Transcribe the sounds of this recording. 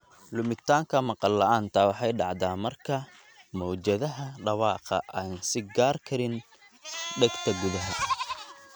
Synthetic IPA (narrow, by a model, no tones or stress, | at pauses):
lʊmɪt̪ʰaːŋkʰɐmɑqɑlːɐʔaːnt̪ʰɐwɑħɑjɖɑʕd̪aːmɐrkʰɐ | mɔːt͡ʃɐðɐɦɐɖɑβɑːqɐ̰ʔaːnsɪɡaːrkʰɐɾɪn | ɖɛɡt̪ʰɐɡʊðɐɦɐ